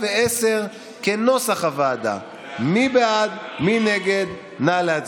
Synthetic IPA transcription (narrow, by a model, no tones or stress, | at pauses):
veeseʁ | keno̞saχavaːd̪a̰ | mibead̪mineɡed̪ | nalaa